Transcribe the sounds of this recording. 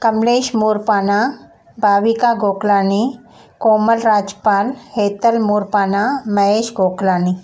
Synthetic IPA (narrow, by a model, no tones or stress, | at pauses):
kɐmleːʃmoːɾpaːna | bʱaːʋikaɡoːklaːni | koːməlɾaːd͡ʒpaːlheːt̪əlmoːɾpaːnamɐeːʃɡoːklaːni